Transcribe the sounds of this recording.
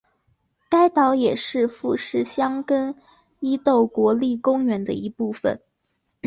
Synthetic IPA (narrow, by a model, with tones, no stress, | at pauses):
ka˥ɪt̪ɑ˧˥ʊjɛ˨˩ʂɻ̩˥˧fu˥˧ʂɻ̩˥˩ɕjɑ˥ŋkə˥n | i˥t̪o˥˩ʊkwɔ˧˥li˥˩kʊ˥ŋɥɛ˧˥nd̪ə̰˧i˧˥pu˥˩fə̰˩n